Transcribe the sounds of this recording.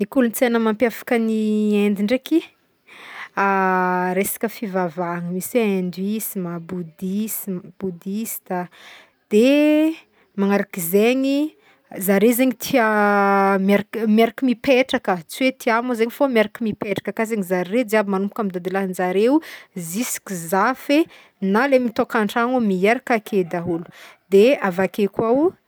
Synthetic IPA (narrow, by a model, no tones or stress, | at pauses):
nikulunt͡senəmampjafḁkəniend̪iɳɖ͡ʐeki | aɾesḁkəfivavaŋəmisend̪wisimabud̪isib̥ud̪ist̪a | d̪̥e | maŋaɾakizeɲi | zaɾezeɲit̪ʰia | meɾakmeɾakimipeʈ͡ʂakət͡siwet̪iamozeɲifomaɾakimipeʈ͡ʂḁkəkazeŋizaɾred͡zeabimanumpukamid̪ad̪iland͡ʒaɾewzisi̥kizafe | nalemit̪okaɳʈ͡ʂaŋomieɾakakʰed̪aɦulu̥d̪̥eavakekʲwaw